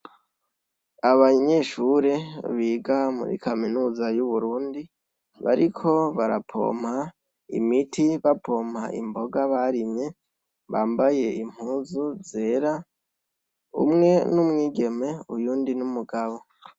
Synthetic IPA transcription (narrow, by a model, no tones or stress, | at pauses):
aβaɲe̞ʃuɾe̞βiːɡamṵɾḭkʰaminuːzajuβuɾuːndi | βa̰ɾikʰo̞βaɾapʰo̞̰ːm̥ha | ḭmitʰiβapʰo̞ːm̥ha̰ʔḭmbo̞ɡaβaɾimɲe̞ | βaːmbaje̞im̥huːzuze̞ːɾa | ṵmŋe̞numŋiːɡe̞me̞ujuːndinumuɡaβo̞